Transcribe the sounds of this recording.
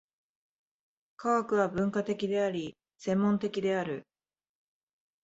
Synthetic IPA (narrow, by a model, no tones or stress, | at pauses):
kaakɯ̟β̞abɯ̟̃ŋkat̪e̞kʲid̪e̞aɾʲi | sẽ̞mːõ̞nt̪e̞kʲid̪e̞aɾɯ̟